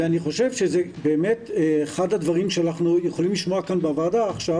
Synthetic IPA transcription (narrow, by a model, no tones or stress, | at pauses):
eaniχo̞ʃevʃezebeːme̞tːχad̪advaʁimʃeanaχnujeχolimliʃmoakanbeavadaːχʃa